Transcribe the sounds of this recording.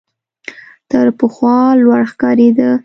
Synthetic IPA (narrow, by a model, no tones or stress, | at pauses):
t̪əɾpəxwɑlwaɽxkɑɾed̪ə